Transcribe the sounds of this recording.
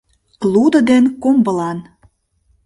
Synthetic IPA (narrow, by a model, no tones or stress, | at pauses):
lud̪ə̆d̪enkombəlɑn